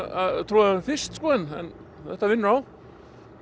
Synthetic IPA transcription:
at̪ʰɾuːafɪst̪skɔːðɪnɛ̰nθɛht̪ːavɪnːʏɾaw

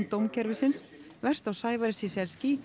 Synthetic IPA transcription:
t̪owmcʰɛɾvɪsɪnsvɛr̥st̪awsaːjvaɾɪsisɛɾ̥sci

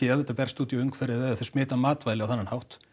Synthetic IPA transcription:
ɪaðθɛt̪apɛɾ̥rst̪uːt̪iʏŋkʰfɛɾɪðɛðaθɛsmɪːt̪amaːt̪vajlɪawθanːanhawht̪

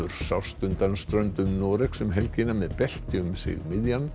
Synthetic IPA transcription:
ʏɾ̥sawst̪ʏnt̪anst̪ɾœnt̪ʏmnɔːɾɛksʏmɦɛlcɪnamɛðpɛl̥t̪jʏmsɪ̰ɣmɪðjan

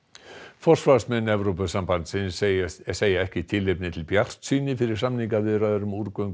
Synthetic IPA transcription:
fɔr̥svasmɛnːɛvɾopʏsampant̪sɪnseːjaɛhcɪt̪ʰɪlːepnɪt̪ʰɪlpjar̥t̪siːnɪfɪɾɪɾ̥samniŋkavɪðɾaðʏɾʏmuɾkœɥŋk

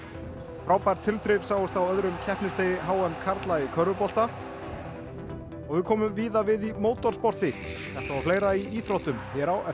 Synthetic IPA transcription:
fɾaːwpajɾt̪ʰɪlt̪ɾɪvsaːwʏst̪awœðɾʏmcʰɛhpnɪst̪eːjɪɦaːwɛmkʰaɾt̪laikʰœɾðʏpɔl̥t̪a | ɔɣvɪðkʰɔːmʏmviːðavɪðimoːwt̪ɔr̥spɔr̥t̪ɪ | θɛht̪aafleːjɾaiiːθɾowht̪ʏmçjɛɾawɛ

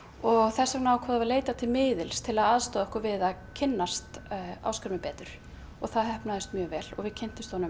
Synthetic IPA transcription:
ɔɣθɛsaknawkʰvɔːðavaɾleːjt̪at̪ʰɪlmɪːðɪlst̪ʰɪlaðaðst̪oːðɔhkʏɾvɪðaðcʰɪnːast̪a̰wskɪɾmɪpɛːt̪ɾʏɾ̥ | ɔɣθaðɦɛhpnaðɪst̪mjœːɣvɛːlɔ̰ɣvɪðcʰɛjn̥t̪ɪst̪ɔnʏ

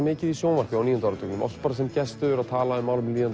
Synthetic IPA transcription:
mɪːcɪðissjoːvar̥cɪawniːjɔnt̪aɔɾʏt̪ʰœknʏmʔɔ̰fspaːɾasɛmcɛst̪ʏðʏɾaðt̪ʰaːlaʏmaːwlʏmliːjan

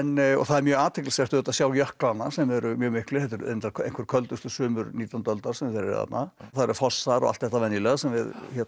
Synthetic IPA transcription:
nɔ̰θaðɛɾmjœːɣaːt̪ʰɪklɪsɛɾt̪ʏɛːt̪asjaːwjœhklanːasɛmɛɾʏmjœːɣmɪhklɪhɛt̪ʏɾ̰nɪt̪ʰalḛjŋ̥kvʏɾkʰœlt̪ʏst̪ʏsʏːmʏɾniːt̪ant̪œlt̪aɾ̥sɛmvɪθɛɾ̰ða̰t̪naθaðɾfɔsaɾɔ̰a̰lt̪θɛht̪avɛnːjilɛɣsɛmvɪðçɛt̪

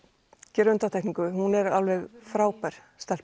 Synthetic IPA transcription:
cɛːɾʏnt̪at̪ʰɛhkniŋkʏhunɛɾalvɛɣfɾaːwpaɾ̥ | st̪ɛl̥

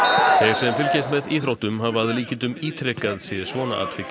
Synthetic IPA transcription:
θejɾ̥sɛmfɪlcejst̪mɛðiːθɾowht̪ʏmhavaðliːcɪnt̪ʏmiːt̪ʰɾɛkaðsɪsvɔːna̰ʔa̰ːt̪fɪc

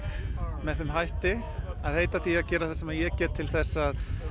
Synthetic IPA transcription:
mɛðθʏmɦajht̪ɪ | aðheːjt̪aθiaðcɛːɾaθasɛmaðjɛcɛːt̪t̪ʰːɪlθɛsːað

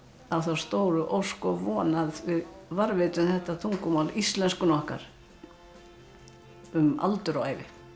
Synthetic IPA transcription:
awθawst̪oːwɾʏʔowskɔvɔːnaðvɪðvaɾvɪt̪ʏmθɛht̪ːat̪ʰuŋkʏmawlist̪lɛnskʏnɔhka̰ɾ̥ | ʏma̰lt̪ʏɾɔaːjvɪ̰

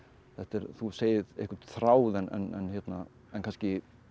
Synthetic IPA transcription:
θɛht̪ɛɾθuseːjɪðḛhkʏɾt̪θɾaːwðɛnʔɛ̰nɛ̰nçjɛt̪na | ɛnkanscɪ

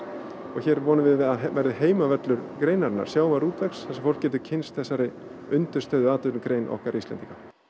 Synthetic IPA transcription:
ɔɣçɛːɾvɔːnʏmvɪðvɪðaðvɛɾðɪɦeːjmavɛt̪lʏɾkɾeːjnaɾnːa̰ɾ̥sjaːwmaɾuːt̪vɛksθɛsɛmfowl̥cːɛːt̪̬ʏcʰɪnst̪θɛsːaɾɪ | ʏnt̪ʏ̥st̪œːɥðʏaːt̪ʏkɾejnʔɔ̰hkaɾʔislɛ̰nt̪ika

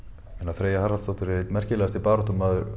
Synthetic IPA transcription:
ɛnaðfɾeːjahaɾalst̪ɔwht̪ʏɾɛɾɪt̪mɛr̥cɪlɛːɣast̪ɪpaːɾɔht̪ʏmːaðʏɾ

